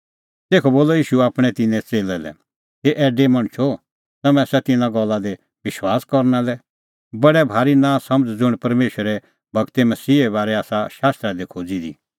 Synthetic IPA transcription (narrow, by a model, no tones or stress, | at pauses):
t̪eːkʰoboːlɔjiːʃuaːpɽ̃ɛt̪ɪnɛ̃t͡seːlɛlɛ̰ | keʔɛːɖemɐ̃ɽ̃t͡ʃʰo | t̪ɐmɛ̃sɛt̪ɪnãɡɔlːad̪e | ʋɪʃwaːskɔɾnalɛ | bɐɽɛbʱaːɾinãsɐ̃məd͡zd͡zʊɽ̃pɐɾmeːʃəɾɛ | bʱɐɡt̪ɛmɐsiːɛβaːɾɛaːsaʃaːst̪ɾad̪ekʰoːd͡zid̪ḭ